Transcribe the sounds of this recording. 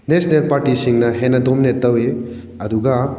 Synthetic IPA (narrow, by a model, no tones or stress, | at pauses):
nesnelpaɾtisiŋnɐɦenɐdomnetɐwe | ɐduɡɐ